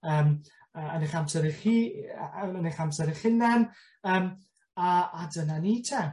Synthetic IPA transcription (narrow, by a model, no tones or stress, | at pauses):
əːm | əneχamsɛɾiχiː | əneχamsɛɾɪχɪnɛn | əːm | aːdənaniːtʰɛ